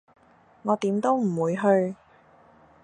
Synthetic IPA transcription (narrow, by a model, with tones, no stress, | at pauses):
ŋɔː˨˧t̪iː˨˥mt̪o˥wm̩˨˩wuː˨˧jɦɵ˧ɥ